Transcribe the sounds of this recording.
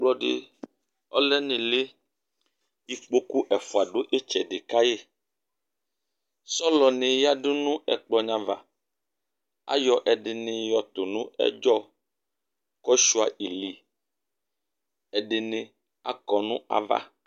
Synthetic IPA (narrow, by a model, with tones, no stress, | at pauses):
k͡plɔ˦ɖḛ˨ | ɔ̰˦lɛ˦nẽ˨le˦ | i˨k͡po˦ku˦ʔɛ˨fo˨a˨ɖo˦ʔe˦t͡ʃɛ˨ɖe˨ka˦je˦˨ | sɔ˦lɔ˨nẽ˨ja˦ɖo˦nũ˦ɛ̰˨k͡plɔ˦ɲã˨va̰˨ | a̰˦jɔ˨ʔɛ˨ɖe˨nẽ˨jɔ˨t̪o˨nũ˦ɛ̰˦d͡ʒɔ˦ | kɔ˦ʃu˦a˨i˨li˨ | ɛ˨ɖe˨nẽ˨ | a̰˦kɔ˨nũ˦a̰˨va̰˦